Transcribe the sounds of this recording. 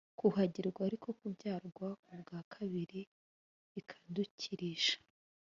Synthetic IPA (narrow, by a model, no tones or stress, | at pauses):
kuɦaɟiɾɡwaːɾiko̞kubɟaːɾɡwakubɡaːkʰaβiɾi | ikʰḁducʰiɾiʃḁ